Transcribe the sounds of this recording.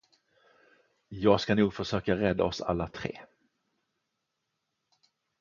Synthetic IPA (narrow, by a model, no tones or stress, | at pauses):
jɑːɡskanuːɡfœʂøːkaɾɛd̪ːa̰ɔsa̰lːat̪ʰɾḛː